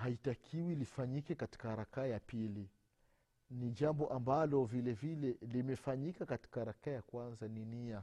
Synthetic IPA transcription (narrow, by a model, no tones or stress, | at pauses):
haitakʰiwilifaɲikɛkati̥kaɾakajapili | nid͡ʒambɔʔambalɔvilɛvilɛlimɛfaɲikakati̥kaɾakajakwanzaninia